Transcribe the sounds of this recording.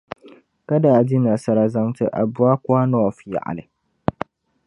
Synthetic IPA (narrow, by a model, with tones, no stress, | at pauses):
ka˦daː˨di˦na˨sa˨ɾa˨za˦ŋtɨ˦ʔa̰˨bʊ˦a˦kʊ˦a˦nɔː˦˨fja̰˨ʔa̰˨lɨ˨